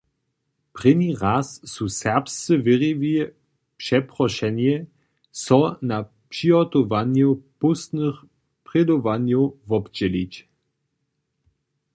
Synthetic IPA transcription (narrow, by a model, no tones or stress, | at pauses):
pʁ̥ɪniʁasːusɛʁpst͡sɨvɪʁivi | pʂɛpʁɔʃɛnjɛ | sɔna | pʂiɦɔt̪ɔvanjopust̪nɨx | pʁ̥ɛd̪ovanjovɔpd͡ʑɛlit͡ɕ